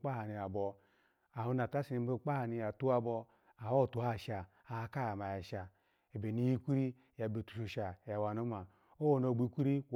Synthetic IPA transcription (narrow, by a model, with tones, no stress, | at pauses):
k͡pa˦ha˨ni˨a˨bɔ˧ | a˨hu˧na˨ta˦si˨ni˧m˦e˦k͡pa˦a˨ni˧ja˨tu˦a˧bɔ˧ | a˨o˦˨tu˨ha˦˨ʃa˨ | a˨a˧ka˦ja˨ma˨ja˨ʃa˨ | e˨be˨ni˧ji˦kʷi˦ɾi˦˨ja˨be˨tu̥˨ʃu˨ʃa˨ja˨wa˨no˨˦ma˨ | o˦wo˨no˧˨ɡ͡bi˦kʷi˦ɾi˦